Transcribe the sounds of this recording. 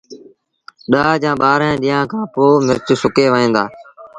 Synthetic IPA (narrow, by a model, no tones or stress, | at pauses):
ɗaːd͡ʒãːɓaːɾɛ̃ːɗiːãːkʰãːpoːmɪɾt͡ʃsʊkeːʋəĩːnd̪aː